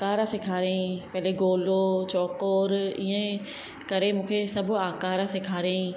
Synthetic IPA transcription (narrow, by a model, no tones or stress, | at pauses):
akaːɾasɪkʰaːɾẽĩpɐɦɪleɡoːlot͡ɕɔːkoːɾḭːẽ | kɐɾemũːkʰesɐbʱʊ̆aːkaːɾasɪkʰaːɾẽĩ